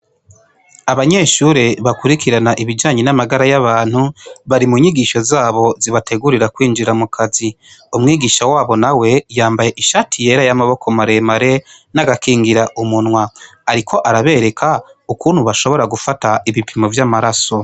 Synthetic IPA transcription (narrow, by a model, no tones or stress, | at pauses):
aβaɲe̞ʃuːɾe̞βakuɾikiɾanaʔiβid͡ʒaːɲenamaɡaɾajaβaːn̥huβaɾimuɲiɡiʃo̞zaːβo̞ziβate̞ɡuɾiɾakwiːnd͡ʒiɾamukʰazi | omŋiːɡiːʃawaːβo̞nawe̞jaːmbaje̞ʔiʃatʰije̞ːɾajamaβo̞kʰo̞maɾe̞maɾe̞ | naɡakiːŋɡiɾaʔumunŋwaː | ɾikʰo̞ʔaɾaβe̞ːɾe̞kʰaukuːn̥huβaʃo̞βo̞ɾaɡufataʔiβipimo̞vjaːmaɾaso̞